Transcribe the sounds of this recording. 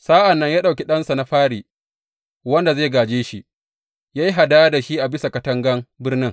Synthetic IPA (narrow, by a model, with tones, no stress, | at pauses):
saː˦ʔa˨nːɐ˦ɲjaː˦ɗa˨kʲi˦ɗɐ˦nsa˨na˦ɸaː˦ɽiː˨ | wɐ˦nda˨zeː˦˨ɡaː˨d͡ʒeː˦ʃi˦ | jaː˦ji˦ɦa˨daː˦da˨ʃi˦ʔa˨bɪ˦sa˨kɐ˦tɐ˦ŋɡɐ˦mbɪ˦rnɪ˦ŋ